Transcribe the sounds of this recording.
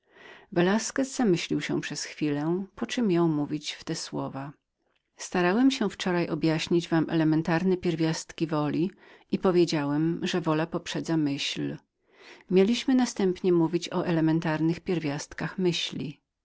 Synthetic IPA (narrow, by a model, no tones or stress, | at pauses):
vɛlaskɛzzamɘɕlʲiwɕɛ̰pʂɛsxfʲilɛpɔt͡ʂɘmːjɔ̃w̃muvʲit͡ɕft̪ɛswɔva | st̪aɾawɛmɕɛ̃ft͡ʂɔɾajɔbjaɕɲid͡ʑvamʔɛ̰lɛmɛnt̪aɾnɛpʲjɛɾvʲjast̪kʲivɔlʲiipɔvʲjed͡ʑawɛmʐɛvɔlapɔpʂɛd̪zamɘɕl | mʲjelʲiɕmɘnast̪ɛmpɲɛmuvʲit͡ɕɔʔɛlɛmɛnt̪aɾnɘxpʲjɛɾvʲjast̪kaxmɘɕlʲḭ